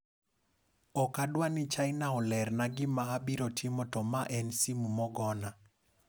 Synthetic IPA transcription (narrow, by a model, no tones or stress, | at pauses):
ɔkadwanit͡ʃaɪnaɔlɛrnaɡɪmaːbiɾɔtʰimɔtɔmaʔɛnsimumɔɡɔna